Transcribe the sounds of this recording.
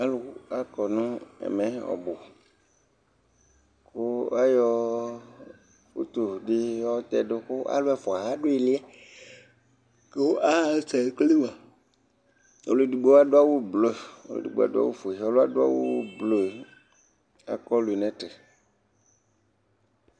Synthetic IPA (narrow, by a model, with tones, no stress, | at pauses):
a˦lo˨˦a˦kɔ˨nũ˦ḛ˨mɛ̃˨ɔ̰˨bo˨ | ko˦a˦jɔ˦ | wṵ˦t̪o˨ɖi˦ɔ˦t̪ɛ˦ɖo˦ko˦ʔa̰˦lo˦a˦fɔ˨a˨ɦa˦ɖo˦e˨li˦a˦ | ke˦wo˦ʔa˦˨˦sɛ˨kle˦wa˨ | o̰˨lu˨du˨ɡ͡be˦wa˦ɖo˦a˦wu˦blo˦˨o˦lo̰˨dṵ˨ɡ͡bḛ˨a̰˨do˦a̰˦wu˦fo˨e˨o˦lo˦a˦ɖo˦a̰˦wu˦blo˦e˨ | a̰˨kɔ˦lu˨e˨nɛ̃˦te˨